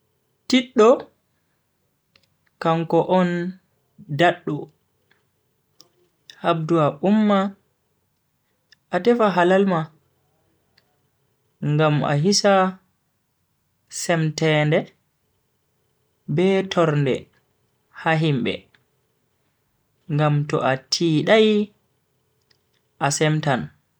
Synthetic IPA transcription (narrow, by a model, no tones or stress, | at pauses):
tiɗːɔ | kaŋkɔʔɔn | daɗːu | hab̚duaʔumːa | ʔatɛfaɦalalma | ŋɡama̰ɦisa | sɛmtɛːndɛ | bɛtʰɔɾndɛ̰ | haɦimbɛ̰ | ŋɡamtɔ̰ʔatʰiːɗaj | ʔasɛmtan